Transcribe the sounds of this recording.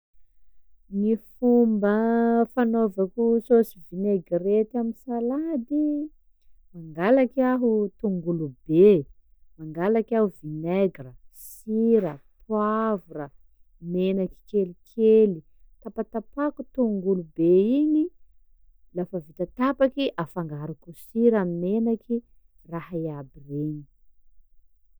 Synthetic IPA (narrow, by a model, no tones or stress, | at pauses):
nifumbəfanovakʲusosivineɡret̪aminsalad̪i | maŋɡalakaɦut̪uŋɡulube | maŋɡalakaɦuvineɡrəs | iɾəpʰwavurə | menaki̥kelikʰeli | t̪apat̪apakut̪uŋɡulubeini | lafəvit̪at̪apakiʔafaŋɡaɾukusiɾamimenakʰi | rahaiabireni̥